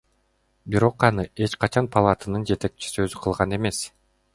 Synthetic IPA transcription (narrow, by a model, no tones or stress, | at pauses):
biɾo̞qɑnɯe̞t͡ʃqɑt͡ʃʰɑnpʰalˠat̪anɯnd͡ʒe̞t̪e̞k̚t͡ʃʰi̥siø̞zyqʰɯlˠʁɑne̞me̞s